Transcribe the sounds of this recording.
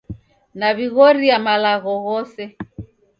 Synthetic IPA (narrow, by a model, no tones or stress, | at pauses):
naβiɣɔɾiamalaɣɔɣɔsɛ